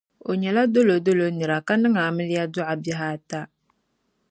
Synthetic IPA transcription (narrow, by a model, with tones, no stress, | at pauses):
o˨ɲɛ˨la˦do˦lo˨do˦lo˨nɨ˨ɾa˨ka˦nɨ˦ŋa˨mɨ˦lɪ˦ja˦dʊ˦ʔa˨bɪ˦ɦaː˦ta˦